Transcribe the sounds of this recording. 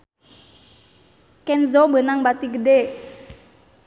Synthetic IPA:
kɛnzɔbənaŋbat̪iɡəde

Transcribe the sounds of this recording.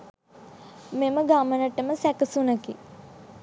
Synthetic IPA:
meməɡamənəʈəməsækəsunəki

